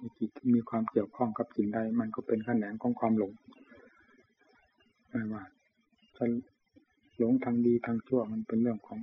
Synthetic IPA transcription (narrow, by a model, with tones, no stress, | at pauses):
na˧˩kʰi˧˩t̪̚ʰːmiː˧kʰwaː˧mki˧˩əwkʰɔː˧˥˩ŋka˧p̚si˨˦nda˧˩jma˧˨nkɔ˧˩pe˨nkʰa˧˨nɛː˨˦nkʰɔː˨˦ŋkʰwaː˧˨mlo˨˦ŋ | maː˧˩waː˧˩ | t̪ʰa˧˩ | lo˨˦ŋt̪ʰaː˧ŋdiː˧t̪ʰaː˧ŋt͡ɕʰu˧˩əma˧˥˨npe˧˨nlɯ˥˩əŋkʰɔː˨˦ŋ